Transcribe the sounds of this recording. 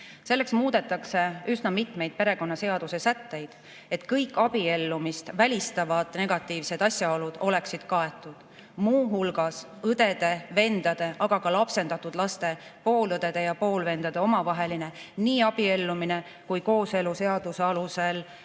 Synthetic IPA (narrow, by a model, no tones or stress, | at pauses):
se̞lːe̞ksmuːd̪̥e̞t̪ːˑɑkse̞ysnɑmit̪me̞jd̪̥̚pe̞ɾe̞ko̞nːɑse̞ɑd̪̥use̞sæt̪ːe̞jd̪̥ | e̞t̪ːˑkɤjkːɑb̥ie̞lːumist̪vælʲist̪ɑvɑd̪̥ne̞ɡ̥ɑt̪ːˑiːvse̞d̪̥ɑsʲjɑo̞lud̪̥o̞le̞ksid̪̥kɑe̞t̪ːˑud̪̥ | muːɦulɡɑs | ɤd̪̥e̞d̪̥e̞ve̞nd̪̥ɑd̪̥e̞ʔɑɡ̥ɑkɑlɑpse̞nd̪ɑt̪ːˑud̪̥lɑst̪e̞po̞ːlɤd̪e̞d̪̥e̞jɑpo̞ːlve̞nd̪ɑd̪̥e̞o̞mɑvɑɦe̞line̞niːɑb̥ie̞lːumine̞ | kujko̞ːse̞luse̞ɑd̪̥use̞ɑluse̞l